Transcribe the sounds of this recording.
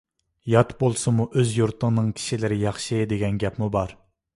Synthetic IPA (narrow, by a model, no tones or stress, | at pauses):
jɑt̪bolˠsɨmuʔøzjuɾt̪ʰəŋnɨŋkʲʰi̥ʃilɪɾɪjɑχʃid̪eɡʲɛnɡʲɛpmubɑɾ